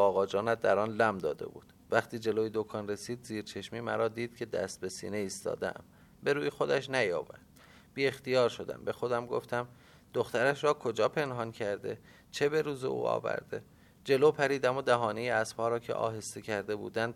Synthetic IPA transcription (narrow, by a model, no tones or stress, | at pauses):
ɒːɣɒːd͡ʒɒːnæt̪̚d̪æɾɒːnlæmd̪ɒːd̪e̞̰bṵːd̪̥væχt̪ʰiːd͡ʒe̞lojed̪okʰɒnre̞siːd̪ziːɾt͡ʃʰe̞ʃmiːmæ̰ɾɒːd̪iːd̪̥cʰe̞d̪æ̰st̪̚be̞sḭːneiːst̪ɒ̰ːd̪eæ̰m | be̞ɾuːjexo̞d̪æʃ̬næjɒ̰ːbæ̰d̪̥ | biːe̞xt̪ijɒːɾʃo̞d̪æ̰mbe̞xo̞d̪æmɡo̞̰ft̪æm | d̪oxt̪æɾæʃɾɒːkʰo̞d͡ʒɒːpʰe̞nɦɒncʰæɾd̪e̞ | t͡ʃʰe̞be̞ɾuːzḛʔṵːɒ̰ːvæ̰ɾd̪̥e̞̰ | d͡ʒe̞lopʰæɾiːd̪æmod̪æɦɒːnejeæsphɒːɾɒːcʰe̞̰ʔɒ̰ːɦe̞st̪ecʰæɾd̪e̞bṵːd̪ænd̪